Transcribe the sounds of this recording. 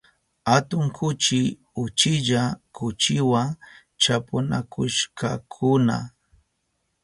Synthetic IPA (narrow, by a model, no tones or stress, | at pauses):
hat̪ʊŋkʰʊt͡ʃɪ | ʊt͡ʃɪʎakʊt͡ʃɪwa | t͡ʃapʊnakʊʃka̰kʰʊna̰